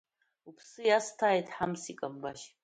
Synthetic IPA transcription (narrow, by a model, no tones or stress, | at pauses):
upʰsɨjastʰaːjtʰʼħamsikʼambaʃ